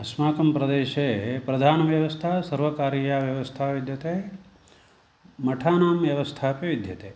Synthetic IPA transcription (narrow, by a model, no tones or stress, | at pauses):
ɐsmaːkɐmpɾɐd̪eːʃeːpɾɐd̪ʱaːnɐʋjɐʋɐst̪ʰaːsɐɾʋɐkaːɾijaːʋjɐʋɐst̪ʰaːʋid̪ʱjɐt̪eː | mɐʈʰaːnaːmʋjɐʋɐst̪ʰaːpeʋid̪ʱjɐt̪eː